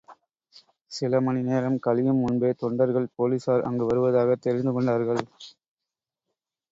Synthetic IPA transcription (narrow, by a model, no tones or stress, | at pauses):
sɪlɐmɐnɪneːɾɐmkɐlɪjɯmʊnbeːt̪ɔɳɖɐɾɣɐɭpoːliːsaːɾʔɐ̰ŋɡɯʋɐɾɯʋɐðaːɣɐt̪ːɛɾɪnd̪ɯkɔɳɖaːɾɣɐɭ